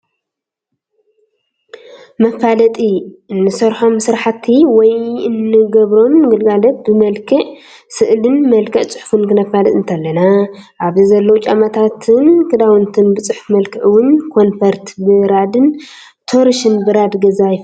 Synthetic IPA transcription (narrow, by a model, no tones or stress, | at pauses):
mɐfalɐt̪ʼiɨnːɨsɐɾħo̞msɨɾħat̪ʰːiwɔjɨnːɨɡɐβɾo̞mːɨɡɨlɡalɐt̪̚bɨmɐlkʰɨʔ | sɨʔlɨnmɐlkʰɐʔt͡sʼɨ̥ħufɨnkɨnɐfalɐt̪ʼɨnt̪ʰɐlːɐnaʔaβzizɐlːɐwt͡ʃʼamat̪ʰat̪ʰɨnkʰɨd̪awɨnt̪ʰɨnbɨt͡sʼɨħfmɐlkʰɨʔwʊnkʰo̞nfɐɾt̪bɨɾad̪ɨn | t̪ʰoɾiʃɨnbɨɾad̪ɡɐzajf